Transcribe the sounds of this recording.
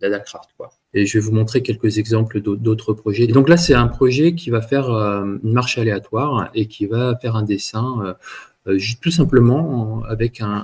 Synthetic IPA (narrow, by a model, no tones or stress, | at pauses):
lad̪akχaʁt̪kwa | eʒəvɛvumɔ̃t̪χekʲɛlkəzɛɡzɑ̃pləd̪od̪ot̪χəpχɔʒɛd̪ɔ̃klasɛt̪ɛ̃pχɔʒɛkʲivafɛʁøynmaʁʃaleat̪waʁekʲʰivafɛʁɛ̃d̪esɛ̃ø | øʒyt̪us̬ɛ̃pləmɑ̃avɛkɛ̃